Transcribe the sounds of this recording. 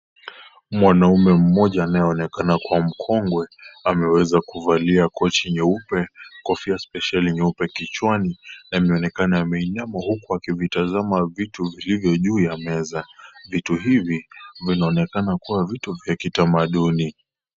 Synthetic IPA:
mwanaumɛm̩mɔʄaːnajɛɔnɛkanakuam̩kʰɔŋɡwɛamɛwɛzakuvaliakɔt͡ʃiɲɛupɛkɔfiaspɛʃaliɲɛupɛkit͡ʃwaninaimɛɔnɛkanaːmɛiɲamahukuakivitazamavituvilivjɔʄuːjamɛzavituɦivivinaɔnɛkanakuwavituvjakitamaɗuni

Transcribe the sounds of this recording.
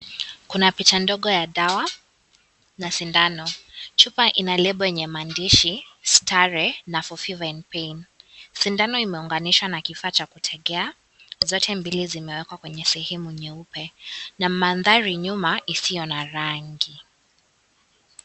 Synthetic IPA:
kunapit͡ʃandɔɠɔjaɗawa | nasindanɔt͡ʃupaʔinalɛɓɔjɛɲɛmandiʃistʰaɾɛnafɔfivanpɛjnsindanɔimɛuŋɡaniʃwanakifaːt͡ʃakutʰɛɠɛa | zɔtʰɛmbilizimɛwɛkwakwɛɲɛsɛhɛmuɲɛupɛnamanðaɾiɲumaʔisijɔnaɾaŋɡi

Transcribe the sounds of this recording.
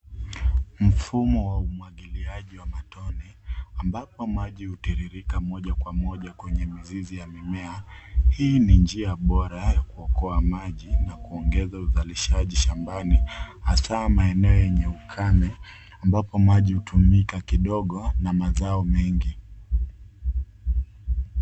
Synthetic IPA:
m̩fumɔwaumwaɠiliaʄiwamatɔnɛambapɔmaʄihutiɾiɾikamɔʄakwamɔʄakwɛɲɛmizizijamimɛahiːnind͡ʒiaɓɔɾajakuɔkɔamaʄinakuɔŋɡɛzauzaliʃaʄiʃambanihasamaɛnɛɔjɛɲɛukʰamɛ | ambapɔmaʄihutʰumikakiɗɔɠɔnamazaɔmɛŋɡi

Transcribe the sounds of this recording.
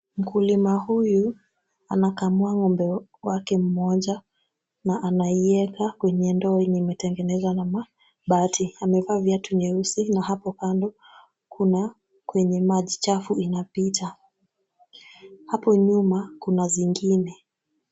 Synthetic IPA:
m̩kulimahuju | a̰nakamuaŋɔmbɛwakɛm̩mɔʄa | naʔanaiɛkakwɛɲɛndɔinimɛtɛŋɡɛnɛzwanama | ɓatʰiamɛvaːvjatuɲɛusinahapɔkandɔ | kʰuna | kwɛɲɛmaʄit͡ʃafuinapitʰa | hapɔɲumakunaziŋɡinɛ

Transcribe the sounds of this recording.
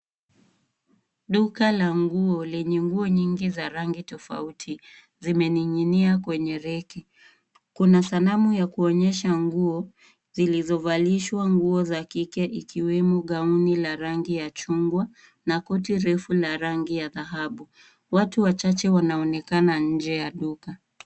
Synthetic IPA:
ɗukalaŋɡuɔlɛɲɛŋɡuɔɲiŋɡizaɾaŋɡitɔfa̰utʰi | zimɛniɲiniakwɛɲɛɾɛki | kunasalamujakuɔɲɛʃaŋɡuɔ | zilizɔvaliʃwaŋɡuɔzakikɛʔikiwɛmɔɠaunilaɾaŋɡijat͡ʃuŋɡwa | nakɔtiɾɛfulaɾaŋɡijaðaɦaɓu | watuwat͡ʃat͡ʃɛwanaɔnɛkanaɲ̩d͡ʒɛjaɗuka

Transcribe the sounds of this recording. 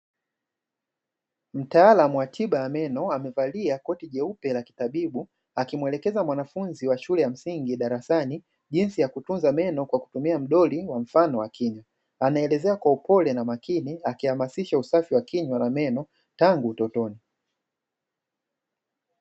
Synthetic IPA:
m̩taalamuwatʰiɓajamɛnɔamɛvaliakɔtiʄɛupɛlaki̥taɓiɓu | akimwɛlɛkɛzamwanafunziwaʃulɛjam̩siŋɡiɗaɾasani | ʄinsijakutunzamɛnɔkwaku̥tumiam̩ɗɔliwaɱ̩fanɔwakʰiɲwa | anaɛlɛzɛakwaupɔlɛnamakiniakihamasiʃausafiwakiɲwanamɛnɔ | taŋɡuːtɔtɔni

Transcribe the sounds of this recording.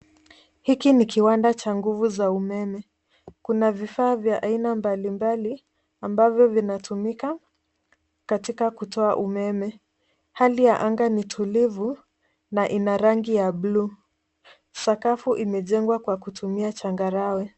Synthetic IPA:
hikinikiwandat͡ʃaŋɡuvuzaumɛmɛ | kunavifaːvjaʔainambalimbali | ambavjɔvinatʰumika | katikakutɔaʔumɛmɛ | halijaʔaŋɡanitʰulivu | naʔinaɾaŋɡijabluː | sakafuʔimɛʄɛŋɡwakwakutʰumiat͡ʃaŋɡaɾawɛ

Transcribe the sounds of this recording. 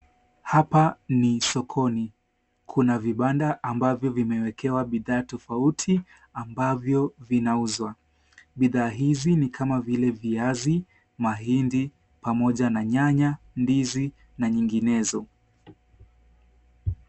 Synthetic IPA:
hapanisɔkʰɔni | kʰunaviɓandaʔːmbavjɔvimɛwɛkɛwaɓiðaːtɔfautʰi | ambavjɔvinauzwa | ɓiðaːɦizinikʰamavilɛviazi | maɦindi | pamɔʄanaɲaɲa | ndizi | naɲiŋɡinɛzɔ

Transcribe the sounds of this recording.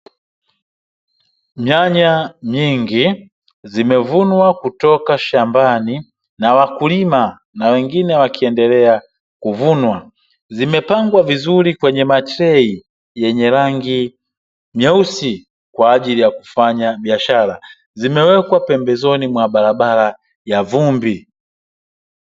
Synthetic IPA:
mjaɲaɲiŋɡi | zimɛvunwakutɔkaʃambani | nawakulima | nawɛŋɡinɛwakiɛndɛlɛa | kuvunwa | zimɛpaŋɡwavizulikwɛɲɛmatɾɛi | jɛɲɛɾaŋɡi | mjɛusi | kwaːʄilijaku̥faɲaɓiaʃala | zimɛwɛkwapɛmbɛzɔnimwaɓaɾaɓala | javumbi

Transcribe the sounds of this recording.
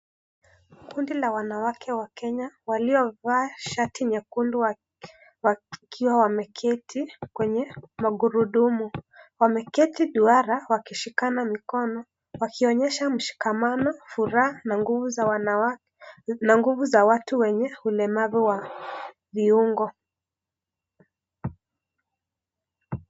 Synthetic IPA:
kundilawanawakʰɛwakɛɲawaliɔvaːʃatʰiɲakundi | wakʰiwawamɛkʰɛtʰikwɛɲɛmaɡuɾuɗumuwamɛkɛtiɗuaɾawakiʃikanamikɔnɔ | wakiɔɲɛʃam̩ʃi̥kamanɔfuɾaaaŋɡuvuwa | naŋɡuvuzawatuwɛɲɛhulɛmavɛwa | viuŋɡɔ

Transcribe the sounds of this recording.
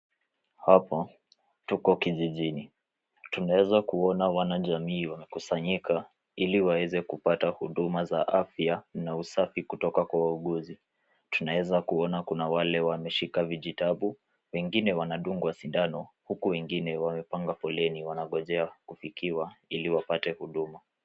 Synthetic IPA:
hapɔ | tukɔkiʄiʄini | tunaɛzakuɔnawanaʄamiːwamɛkusaɲika | iliwawɛzɛkupatahuɗumazaʔafjanausafikutɔkakwawauɠuzi | tunaɛzakuɔnakunawalɛwamɛʃikaviʄitaɓu | wɛŋɡinɛwanaɗuŋɡuwasindanɔhukuwɛŋɡinɛwamɛpaŋɡafɔlɛniwanaɠɔʄɛakufikʰiwailiwapatɛhuɗuma

